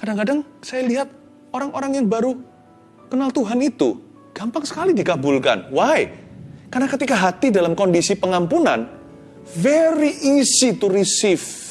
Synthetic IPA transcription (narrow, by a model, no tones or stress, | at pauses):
kadaŋkadaŋsajaliɦat̪̚ | oɾaŋʔoɾaŋjaŋbaɾu | kənalt̪uɦanit̪ṵ | ɡ̥ampaŋsə̥kalidikabulka̰nwajkarnakət̪ikaɦat̪idalamkɔndisipəŋampunan | feɾiʔisit̪uɾisɪf